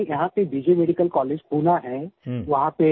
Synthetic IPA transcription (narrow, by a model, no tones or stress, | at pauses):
jɐɦãpebiːd͡ʒemeːɖikəlkɔːleːd͡ʒpuːnaɦɛ̃ʋɐɦãpe